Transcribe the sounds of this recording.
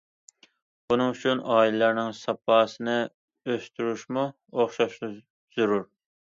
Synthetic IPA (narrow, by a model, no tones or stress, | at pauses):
bunɨŋyt͡ʃʰynɑːilɪlæɾnɪŋsɑpʰɑːsɨnɨ | øst̪yɾuʃmu | oχʃɑʃlˠɨ | z̥uɾuɾ